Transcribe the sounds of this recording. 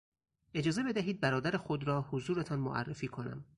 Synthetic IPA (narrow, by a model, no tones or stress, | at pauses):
ʔe̞d͡ʒɒːze̞be̞d̪æɦiːd̪̚bæɾɒːd̪æɾexo̞d̪ɾɒːhozuːɾet̪ʰɒnmo̰ʔæ̰rːefiːkʰo̞næ̰m